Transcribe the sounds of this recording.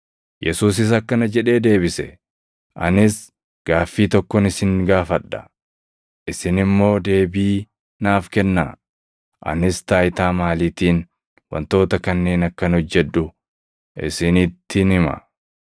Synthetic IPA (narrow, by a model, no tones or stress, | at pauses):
jɛsuːs̬ɪs̬ɐkːɐnɐd͡ʒɛᶑe̞ːd̪e̞ːbɪsɛ̰ | ʔɐ̰nɪs | ɡ̥aːfːiːt̪ɔkːɔnɪsɪŋɡaːfɐᶑːɐ̥ | ʔɪsɪnɪmːo̞ːd̪e̞ːbiː | naːfkɛnːa̰ː | ʔɐ̰nɪst̪aːjɪt̪aːmaːliːt̪iːn | wɐ̰nt̪o̞ːt̪ɐkɐnːe̞ːnɐkːɐnhɔd͡ʒːɛᶑ̪ːʊ | ɪ̰sɪnɪt̪ːɪnɪmɐ̰